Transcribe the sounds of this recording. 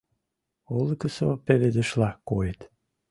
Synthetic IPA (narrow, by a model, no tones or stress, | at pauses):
olˠəkəsopeled̪ə̆ʃlɑkojet̪